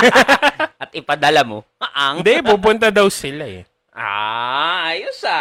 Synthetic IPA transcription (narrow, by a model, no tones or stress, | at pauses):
ʔɐt̪̚ɪpɐd̪ɐlamo | ɐʔand̪ɛpupʊnt̪̬ɐd̪ɐwsɪlaɛ | ʔa̰ | jʊsa